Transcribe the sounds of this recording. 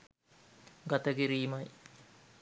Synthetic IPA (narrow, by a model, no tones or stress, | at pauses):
ɡat̪əɡiɾiːmɐj